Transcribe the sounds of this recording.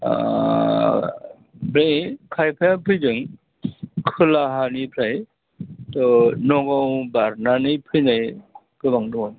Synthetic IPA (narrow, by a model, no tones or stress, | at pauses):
bɾekʰajpʰajapʰɯjd͡ʒɯŋ | kʰɯlaɦanipʰɾaj | tɔnɔɡɔwbaɾnanɯjpʰɯjnaj | kɯbaŋdɔɔn